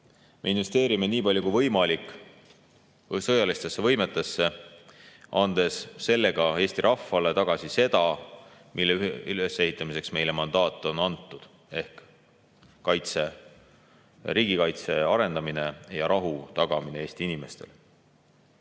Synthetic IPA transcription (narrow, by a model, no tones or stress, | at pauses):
me̞̰inve̞st̪eːɾime̞niːpɑlʲjukujvɤjmɑlikːˑ | sɤjɑlist̪esːevɤjmet̪ːˑesːe̞ | ʔɑnd̪̥e̞sːe̞lːe̞ɡ̥ɑe̞ːst̪iɾʔɑfːɑle̞t̪ɑɡ̥ɑsise̞d̪ɑ | mʔilːeyhesːe̞ɦit̪ˑːɑmise̞ksme̞jle̞mɑnd̪ɑːt̪ːˑo̞nɑnt̪ˑːud̪̥ | e̞hkː | ɑjt̪se | ɾiːɡikɑjt̪se̞ɑɾe̞nd̪ɑmine̞jɑɾʔɑɦut̪ɑɡ̥ɑmine̞e̞ːst̪iinime̞st̪e̞̰l